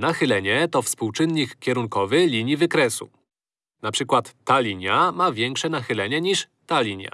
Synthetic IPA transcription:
naxɘlɛɲɛt̪ɔfspuwt͡ʂɘnːikkʲːɛɾuŋkɔvɘlʲiɲjivɘkɾɛsṵ | napʂɘkwat̪ːalʲiɲjamavʲjɛŋkʂɛnaxɘlɛɲɛɲiʂ | t̪alʲiɲja̰

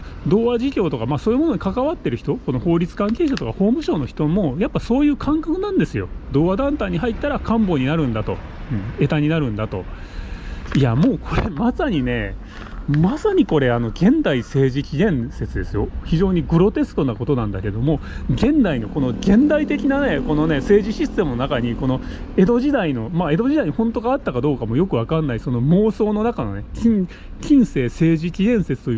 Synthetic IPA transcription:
d̪o̞ːβaʑikʲo̞ːt̪o̞kamaːsoːjɯ̟mo̞no̞ɲ̟ikakaβat̪ːe̞ɾɯ̟çi̥t̪o̞ko̞no̞ho̞ːɾʲit͡sɨ̥kãŋke̞ːɕat̪o̞kaho̞ːmɯ̟ɕo̞ːno̞çi̥t̪o̞mo̞japːaso̞ːjɯ̟ːkʰãŋkakɯ̟nãnd̪e̞sɨjo̞̰d̪o̞ːβad̪ãnt̪aɲ̟iɦait̪ːaɾakʰãmbo̞ɲ̟inaɾɯ̟̃nd̪at̪o̞̰ | ɯ̟̃ɴe̞t̪aɲ̟inaɾɯ̟̃nd̪at̪o̞̰ | iamo̞ːkʰo̞ɾemasaɲ̟ine̞ | masaɲ̟iko̞ɾe̞ano̞ɡẽ̞nd̪aise̞ːʑikʲiɡ̪ẽ̞ɰse̞t͡sɨd̪e̞sɨjo̞çiʑo̞ːɲ̟iɡɯ̟ɾo̞t̪e̞sɨ̥t̪o̞nako̞t̪o̞nãnd̪ake̞d̪o̞mo̞ɡẽ̞nd̪aino̞ko̞no̞ɡẽ̞nd̪ait̪e̞kʲinane̞ko̞no̞ne̞se̞ːʑiɕisɨ̥t̪e̞mɯ̟no̞nakaɲ̟iko̞no̞ | e̞d̪o̞ʑid̪aino̞mae̞d̪o̞ʑid̪aiɲihõ̞nt̪o̞ɡaːt̪ːakad̪o̞ːkamo̞jo̞kɯ̟β̞akanːaisono̞mo̞ːso̞ːno̞nakano̞̰ne̞kʲĩ | kʲĩɰ̃se̞ːse̞ːʑikʲid̪ẽ̞ɰ̃se̞t͡sɨ̥t̪o̞j

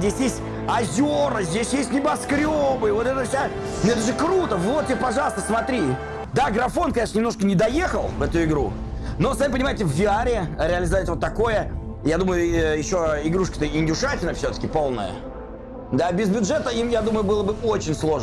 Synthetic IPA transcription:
dʲesʲjesʲtʲ | ɐzʲoɾəzʲdʲesʲjesʲtʲnʲɪbɐskɾʲobɨɪvo̞t̪ɛt̪əsʲa | noɛt̪əʐɨkɾut̪əvot̪̚ːʲpɐʐɑlˠəst̪əsmɐt̪ɾʲi | d̪aɡɾɐfo̞nkɐnʲeʂnənʲɪmnoʂkənʲɪd̪ɐjexəlˠvɛt̪ʊɪɡɾṵ | no̞samʲpənʲɪmajɪtʲɪvvʲɪaɾʲɪɾʲɪəlʲɪzɐvat̪ʲvot̪ːɐko̞jəjad̪uməjʊjɪɕːo̞ɪɡɾuʂkə̥t̪əɪnʲdʲʊʂatʲɪlʲnəfsʲot̪ə̥kʲɪpo̞lˠnə̰jə̰ | d̪abʲɪzbʲʊdʐɛt̪əimjad̪uməjʊbɨlˠəbɨot͡ɕɪnʲslˠo̞ʐ

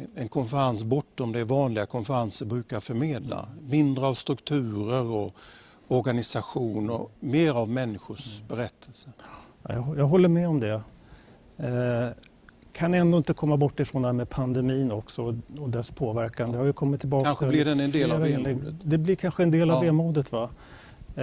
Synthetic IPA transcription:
ɛnkʰɔnfəɾansbɔʈːɔmd̪ɛɾvɑːnlɪɡakʰɔnfəɾansəɾbɾʉ̟ːkaɾfœɾmeːd̪la̰mɪnd̪ɾəavst̪ɾɵkt̪ʰʉ̟ːɾəɾɔ | ɔɾɡanɪsaɧuːnɔ̰meːɾavmɛnːɪɧʊʂbɛɾɛt̪ʰːɛlsə̰jɑɡjɑːɡɦɔlːəɾmɛɔmd̪ɛ | kʰanɛnd̪oɪnt̪əkʰɔmːabɔʈːɪfɾɔnd̪əɦæːmɛpʰand̪ɛmiːnɔksɔɔd̪ɛspʰoːvæɾkand̪əhaɾjəkʰɔmːɪt̪ʰːɪlbɑːkast̪ɪdɛɛnd̪eːlɾeːnlɪɡd̪ɛblɪɾkʰanɧəɛnd̪eːlavveːmuːd̪ət̪va

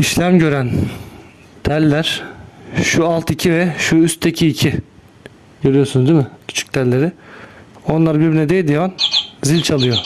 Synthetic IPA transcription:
iʃlʲæmɟø̞ɾæn | t̪ʰæɾlʲːæɾ̥ | ʃualˠt̪ʰicʰivɛʃuyst̪ʰːecʰiːcʰi | ɟø̞ɾyjosynuzd̪imɪcʰy̥t͡ʃʰy̥c̚t̪ʰæɾlʲe̞ɾɪ | o̞nlˠaɾbiɾbinɛd̪ejd̪ijanzilʲt͡ʃʰalˠɯjo̞

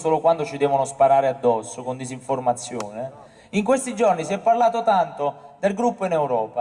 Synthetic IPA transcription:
soːlokwand̪ot͡ʃid̪ɛːvonʊspaɾaːɾead̪ːɔsːokond̪iziɱformat̪sːjoːne | iŋkwest̪id͡ʒornisiɛpːarlaːt̪ot̪ant̪od̪elɡɾupːoinɛwɾɔːpa

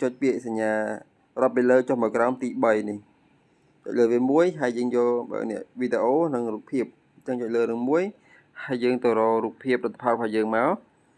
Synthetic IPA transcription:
t͡ɕoc̚piəʔsaɲːaː | rŏt̚peːləːt͡ɕohmaəwkraɔmt̪iːɓəjnih | t͡ɕo̰c̚ləːʋiəmuəjɦaɛjjəːŋjolɓa̰nɛ̰̆əʔʋiːɗeʔoːnɨŋruːk̚pʰiəp̚ | t͡ɕəŋt͡ɕoc̚ləːnɨəmuəj | haɛjjəːŋt̪ərɑːɾuːk̚pʰiəp̚lət̪ʰːḁpʰalkʰajəːŋmaɔl

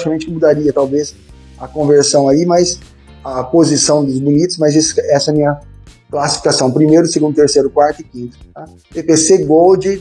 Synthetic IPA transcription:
at͡ʃikamẽnt͡ʃɪkɪmud̪aɾiɐt̪awves | ɐkõveɾsɐ̃w̃aimajs | ɐpozisɐ̃w̃d̪ʊbunit̪ʊ̥smajzesɪ̥ɛsɐɛɐmĩɲɐ | klasi̥fi̥kasɐ̃w̃pɾimejɾʊseɡũd̪ʊt̪eɾsejɾʊkwaɾt̪ʊɪkĩnt̪ʊ̥a | pepeseɡowd͡ʒɪ

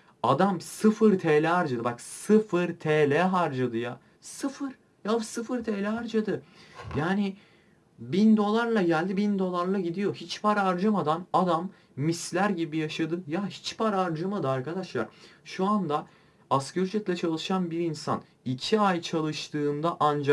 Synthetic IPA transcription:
ad̪amsɯfɯɾt̪ʰeːlʲɛɦaɾd͡ʒad̪ɯbaksɯfɯɾt̪ʰelʲɛɦaɾd͡ʒad̪ɯjaː | sɯfɯɾ̥ | jasɯfɯɾt̪ʰeːlʲɛɦaɾd͡ʒad̪ɯjaːnɪ | bind̪o̞lˠaɾlˠaɟælʲd̪ibind̪o̞lˠaɾlˠaɟid̪ijo̞ɦit͡ʃpʰaɾaɾd͡ʒamad̪anad̪amː | islʲæɾɟibijaʃad̪ɯjahi̥t͡ʃpʰaɾaɾd͡ʒamad̪ɯaɾkad̪aʃlˠa̰ɾʃuand̪a | ascøɾyd͡ʒɛt̪ʲlʲɛt͡ʃʰalˠɯʃanbiɾinsa̰n | icʰiajt͡ʃʰalˠɯʃt̪ʰɯːnd̪aʔand͡ʒa

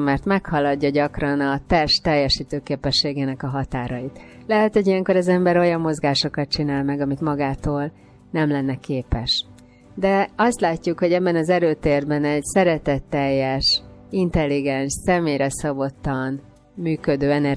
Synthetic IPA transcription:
mɛrt̪mɛkhɒlɒɟːɒɟɒkrɒnɒt̪ɛrʃt̪ɛjːɛʃiːt̪øːkeːpɛʃːeːɡeːnɛkɒɦɒt̪aːɾɒjit̪lɛɦɛt̪ho̞ɟijɛŋko̞ɾɛzɛmbɛɾo̞jɒmːo̞zɡaːʃo̞kɒt̪̚t͡ʃinaːlmɛɡɒmit̪mɒɡaːt̪oːl | nɛmlɛnːɛkeːpɛʃ | d̪ɛɒst̪laːcːukho̞ɟɛbːɛnɒzɛɾøːt̪eːrbɛnɛɟsɛɾɛt̪ɛt̪ːɛjːɛʃint̪ɛlːiɡɛnʃsɛmeːjɾɛsɒbo̞t̪ːɒn | myːkød̪øːɛnɛr

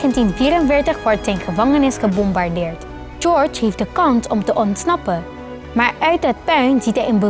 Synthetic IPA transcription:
əntinviːɾənvɪːɹtəχʋɔɹtzɛjnχəvɑŋənɪsχəbɔmbaɹdɪːɹt | d͡ʒɔɹt͡ʃɦifdəkɑnsɔmtəʔɔntsnɑpə | maːɹʔœɥt̚ət̚pœɥnzitɛjənbə

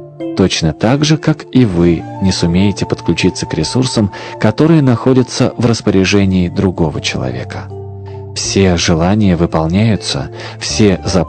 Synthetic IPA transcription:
t̪ot͡ɕnət̪aɡʐɨkakivɨnʲɪsʊmʲejɪtʲɪpət̪klʲʉt͡ɕit̪səkɾʲɪsursəmkɐt̪o̞ɾɨjənɐxo̞dʲət̪səvrəspəɾʲɪʐɛnʲɪːd̪ɾʊɡo̞və̰t͡ɕɪlˠɐ̰vʲe̞̰kə̥ | fsʲe̞ʐɨlˠanʲɪjəvɨpɐlˠnʲæjʊt̪sə̰ | fsʲe̞zɐ

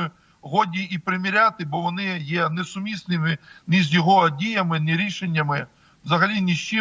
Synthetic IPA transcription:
ʊ | ɦɔdʲiipɾɪmʲiɾʲat̪ɪbɔʋɔnɪjɛnɛsʊmʲisnɪmɪnɪzʲjɔɦɔdʲijɐmɪnɪɾʲiʃenʲːɐmɪ | ʋzɐɦɐlʲinʲɪʃt͡ʃɪ

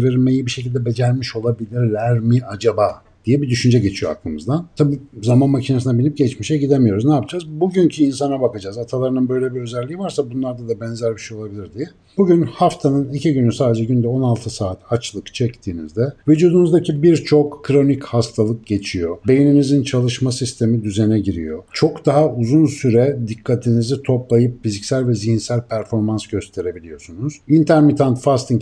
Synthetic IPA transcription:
veɾme̞jibiʃe̞cilʲd̪ɛbe̞d͡ʒælʲmiʃo̞lˠabilʲiɾlʲæɾmiʔad͡ʒabaː | d̪̥ijɛbid̪yʃynd͡ʒɛɟe̞t͡ʃʰijo̞a̰klˠɯmɯzd̪ant̪ʰabiːzamanmacʰinasɯnabilʲip̚ɟɛt͡ʃmiʃɛɟid̪emijo̞ɾuznaːpʰd͡ʒaːzbuɟyncʰiːnsanabakad͡ʒaːzat̪ʰalˠaɾɯnɯnbø̞jlʲebiø̞zælʲːijivaɾsabunlˠaɾd̪ad̪abɛnzæɾbiʃejolˠabilʲiɾd̪ijɛ | b̥uɟynhaft̪ʰanɯnicʰiɟynysaːd̪e̞d͡ʒɛɟynd̪ɛo̞nalˠt̪ʰɯsaːt̪ʰat͡ʃlˠɯkt͡ʃʰɛct̪ʰiːnḭzd̪ɛvyd͡ʒuːd̪unuzd̪acʰibiɾt͡ʃʰo̞kːɾo̞nichast̪ʰalˠɯk̚ɟe̞t͡ʃʰijo̞be̞jininizint͡ʃʰalˠɯʃmasist̪ʰe̞mid̪yzenɛɟiɾḭjo̞t͡ʃʰo̞kd̪aɦauzunsyɾɛd̪ikʰːat̪ʰinizit̪ʰo̞plˠajɯpfizicsælʲvɛzihinsælʲpʰæɾfo̞ɾmansɟø̞st̪ʰe̞ɾe̞bilʲijo̞sunuz̥int̪ʰæɾmit̪ʰant̪fast̪iŋ

